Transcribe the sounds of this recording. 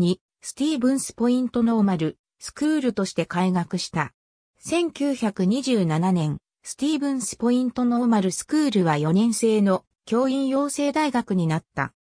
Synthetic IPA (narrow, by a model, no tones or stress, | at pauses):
ɲ̟i | sɨ̥t̪ʲiːbɯ̟̃ɰ̃sɨ̥po̞ĩnt̪o̞no̞maɾɯ̟ | sɨ̥kɯːɾɯ̟t̪o̞ɕi̥t̪e̞kaiɡakɯ̟ɕi̥t̪a | sẽ̞ŋkʲɨːçakɯ̟ɲ̟iʑɨːnananẽ̞ɴ̃ | sɨ̥t̪ʲiːbɯ̟̃ɰ̃sɨ̥po̞ĩnt̪o̞no̞maɾɯ̟sɨ̥kɯːɾɯ̟βajo̞nẽ̞ɰ̃se̞ːno̞ | kʲo̞ːĩɰ̃jo̞ːse̞ːd̪aiɡakɯ̟ɲ̟inat̪ːa̰